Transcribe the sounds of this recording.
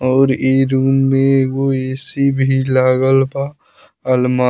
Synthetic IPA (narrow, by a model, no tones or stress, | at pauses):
ɔːɾeɾuːmːẽɡoeːsibʱilaːɡəlba | əlma